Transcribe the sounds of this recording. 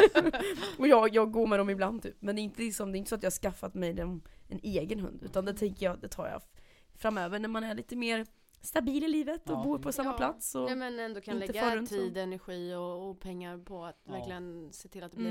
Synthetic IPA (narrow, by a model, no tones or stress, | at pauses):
ɔjɑːjɑːɡɡoːɾmɛd̪ɔmɪbland̪̚t̪ʰy̰ːpmɛnd̪ɛːɪnt̪əlɪksɔmd̪ɛɪnt̪əsɔat̪jɑhaʂkafːat̪mɛjd̪ɛmʔɛneːɡənɦɵ̰nd̪ʉ̟ːt̪and̪ɛt̪ʰɛŋkəjɑd̪ɛt̪ʰɑ̰ːɾjɑ̰ | fɾamːøːvəɳæɾmanæɭiːt̪əmeːɾ | st̪abiːlɪliːvət̪ɔbuːɾpʰɔsamːapʰlat̪sɔmɛnɛnd̪oːkʰanɪnlɛəfœɾɵnʰiːd̪ɛnæɾɧiːɔːpʰɛŋːaɾpʰɔat̪væɾklɪɡənseːt̪ʰɪlat̪̚d̪ɛ